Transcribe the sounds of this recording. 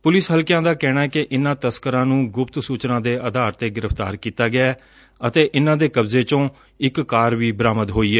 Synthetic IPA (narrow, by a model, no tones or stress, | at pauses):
pʊlɪsɦəlkjãːd̪aːkɛːɽ̃aːɛːkɪʔɪnãːt̪əskəɾãːnũːɡʊpt̪suːt͡ʃnãːd̪eːʔəd̪aːɾt̪eːɡɪɾəpʰt̪a̰ːɾkiːt̪aːɡɪaː | ət̪eːʔɪnãːd̪eːkəbzeːt͡ʃõː | ɪkːaːɾʋiːbəɾaːməd̪ɦoːiːɛː